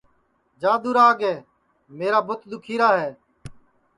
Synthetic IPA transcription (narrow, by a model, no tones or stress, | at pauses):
d͡ʒãːd̪uːɾaːɡeː | meːɾaːbʊt̪d̪ʊkʰiːɾaːɦeː